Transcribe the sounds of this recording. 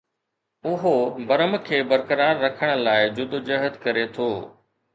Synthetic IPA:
ʊɦobɐɾəmkʰeːbɐɾkəɾaːɾːɐkʰəɽ̃ə̆laːɪd͡ʑʊd̪ʱd͡ʑəɦət̪kɐɾet̪ʰoː

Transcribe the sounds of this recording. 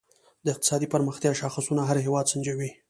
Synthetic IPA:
d̪əɪq̚t̪ɪ̥sɑd̪ipəɾməxt̪jɑʃɑxasunaɦaɾɦewɑd̪sand͡ʒawi

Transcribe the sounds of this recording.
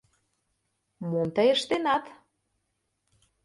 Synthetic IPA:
mont̪əjəʃt̪enɑt̪

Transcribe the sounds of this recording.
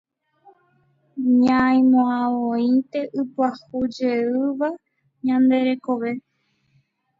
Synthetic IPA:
ɲãĩmõãʋõint̪e̞ʔɨpwahud͡ʒeɨʋa | ɲãnd̪e̞ɾe̞ko̞ʋe̞

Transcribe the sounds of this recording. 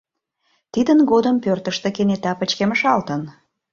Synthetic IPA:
t̪id̪ənɣod̪əmpørt̪əʃt̪ekenet̪ɑpət͡ɕkeməʃɑlt̪ən

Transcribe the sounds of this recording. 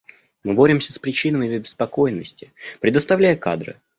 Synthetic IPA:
mɨbo̞ɾʲɪmsʲəspɾʲɪt͡ɕinəmɪbʲbʲɪ̥spɐko̞jɪnːəsʲtʲɪ̥pɾʲɪd̪əst̪ɐvlʲæjɪka̰d̪ɾɨ̰

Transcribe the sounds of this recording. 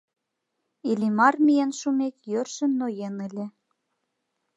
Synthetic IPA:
ilimɑrmijenʃumekjørʃə̆mnojenɘ̆lʲĕ

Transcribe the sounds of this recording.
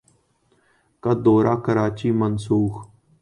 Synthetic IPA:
kad̪oːɾaːkəɾaːt͡ʃiːmənsuːx

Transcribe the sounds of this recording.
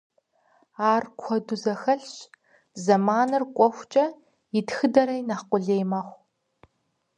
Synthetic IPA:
aːrkʷʰɔdʊzɐxɐɬɕ | zɐmaːnɨrkʷʼɔxʷt͡ʃʼɐ | jɪtxɨdɐɾɐjnaqʷʊɮeːjmaːχʷ

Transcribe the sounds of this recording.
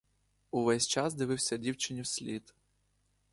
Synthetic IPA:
uʋɛsʲt͡ʃɑzd̪ɪʋɪwsʲɐdʲiwt͡ʃɪnʲiwsʲlʲit̪

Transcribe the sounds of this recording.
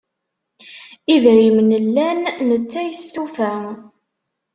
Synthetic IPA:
iðɾimnəlːænːət͡sːæjst̪ufæ

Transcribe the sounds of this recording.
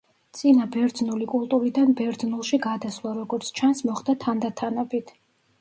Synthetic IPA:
t̪sʼinabɛɾd̪znulikʼulˠt̪ʼuɾid̪anbɛɾd̪znulˠʃiɡad̪aslˠaɾɔɡɔɾt̪sʰt͡ʃʰansmɔχd̪at̪ʰand̪at̪ʰanɛbit̪ʰ

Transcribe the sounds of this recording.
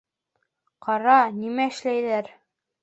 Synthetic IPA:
qʰɑɾɑnimæɘ̆ʃlæjðæɾ

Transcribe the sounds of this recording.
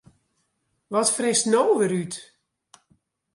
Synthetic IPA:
ʋɔtfrɪstnowʋəɾyt

